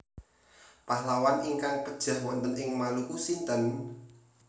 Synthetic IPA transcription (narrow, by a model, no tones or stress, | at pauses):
pahlawaniŋkaŋpəd̥ʒ̥a̤hwɔnt̪ənɪŋmalukusint̪ən